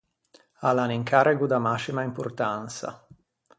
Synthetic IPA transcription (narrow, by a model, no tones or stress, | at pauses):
alaniŋkʰaɾɛɡud̪amasimaimpurt̪ansa̰